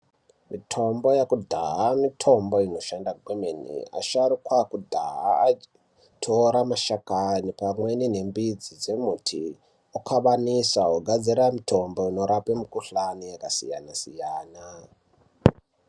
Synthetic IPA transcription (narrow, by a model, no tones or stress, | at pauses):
mitʰo̞mbo̞jakudʱaɦamitʰo̞mbo̞ino̞ʃandaɡʱwemenḭa̰ʃaɾikwakudʱa̰ɦa̰ | tʰoɾamaʃakanipamwe̞nine̞mbid͡zid͡ze̞mutʰḭ | okʰaɓanisaoɡʱad͡ziɾamitʰo̞mbo̞ino̞ɾapemukuɬanijakasija̰nasḭjaːna